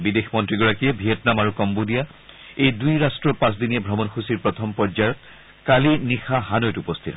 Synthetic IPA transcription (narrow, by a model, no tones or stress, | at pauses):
bidexmɔntɹiɡɔɹakijɛbʱijɛtnamaɹukɔmbodija | ejdujɹastɹɔpãs̬dinijɛbʱɹɔmɔnxusiɹpɹɔtʰɔmpɔzajɔt̚ | kalinixaɦanɔjtupɔstʰitɦɔ